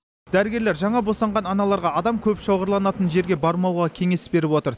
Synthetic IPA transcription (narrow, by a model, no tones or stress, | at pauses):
d̪̥æɾɪɡʲe̞ɾleɾʒɑɴɑbo̞sɑɴʁɑnɑnɑlˠɑɾʁɑɑd̪ɑmkʲʰɵpʃowʁəɾlˠɑnɑt̪ənʒe̞ɾɡʲe̞bɑɾmɑwʁɑkʲʰe̞ŋe̞sbe̞ɾɪpwo̞t̪əɾ